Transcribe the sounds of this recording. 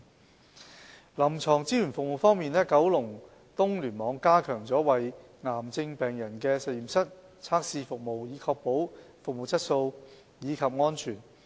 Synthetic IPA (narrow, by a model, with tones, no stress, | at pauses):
lɐ˨˩mt͡sʰɔː˨˩ŋt͡siː˥jyː˨˩nfʊ˨k̚mo˨wfɔː˥ŋmiː˨˧nɛ˥kɐ˨˥wlʊ˨˩ŋ | t̪ʊ˥ŋlyː˨˩nmɔː˨˧ŋkaː˥kʰœː˨˩ŋt͡sɔː˨˥wɐ˨j | ŋaː˨˩mt͡sɪ˧ŋpɛː˨˩ŋjɐ˨˩nkɛː˧sɐ˨˧jiː˨˩msɐ˥t̚ | t͡sʰaː˥k̚siː˧fʊ˨k̚mo˨wjiː˨˧kʰɔː˧k̚po˨˥w | fʊ˨k̚mo˨˩wt͡sʰɐ˥t̚so˧w | jiː˨˧kʰɐ˨p̚ŋɔː˥nt͡ʃʰyː˨˩n